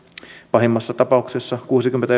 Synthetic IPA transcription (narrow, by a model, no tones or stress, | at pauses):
pɑɦemːɑsːɑt̪ɑpɑuksesːɑkuːsikymːenæ